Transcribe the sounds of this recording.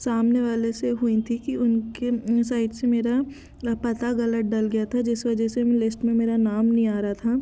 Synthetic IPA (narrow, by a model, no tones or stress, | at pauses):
saːmneʋaːleseɦuĩt̪ʰikiʊnkesaːɪʈsemeːɾa | pɐt̪aɣɐlət̪̚ɖɐlɡɐjat̪ʰad͡ʒɪsʋɐd͡ʒɛselɪsʈmẽmeːɾanaːmnɐɦĩaːɾaat̪ʰa